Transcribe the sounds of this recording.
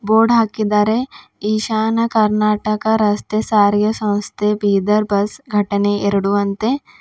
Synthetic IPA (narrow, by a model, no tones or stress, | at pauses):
boːɖɦaːkid̪aːɾeiːʃaːnɐkɐɾnaːʈəkaɾɐst̪esaːɾijɐsɐ̃wst̪ʰebʱiːd̪ɐɾbɐsɡʱɐʈneɪɾɽuʋɐnt̪e